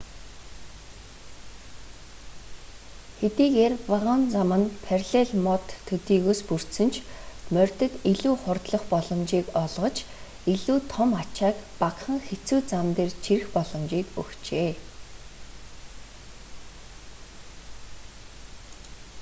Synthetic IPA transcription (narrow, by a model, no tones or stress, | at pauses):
xet̪iːɣeːrpaʁənt͡samə̆npʰærʲɮeɮmɔt̪ʰːɵt̪iːɣoːspur̥t̪sɘ̆nt͡ɕʰmœr̥ʲt̪ɘ̆t̪iɮuːχʊrt̪ɮɞ̆χpɔɮɞ̆mt͡ɕiːkɔɮʁɞ̆t͡ɕ | iɮuːt̪ʰɔmat͡ɕaːkpakχə̆ŋxet͡suːt͡samt̪eːrt͡ɕʰirxpɔɮɞ̆mt͡ɕiːkɵ̰kt͡ɕeː